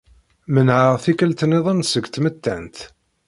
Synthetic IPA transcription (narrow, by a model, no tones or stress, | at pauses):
mənʕəʁθikəlt̪əneðˤənsəɡt̪mət̪ːæ̰nt̪